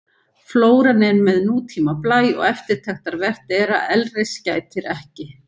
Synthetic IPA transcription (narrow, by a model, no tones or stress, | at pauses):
floːwɾanɛnmɛðnuːt̪ʰiːmaplaːjɔ̰ɣɛft̪ɪɾ̥t̪ʰaxt̪aɾvɛr̥t̪ɛːɾa̰ʔɛlrɪscaːjt̪ʰɪɾɛhcɪ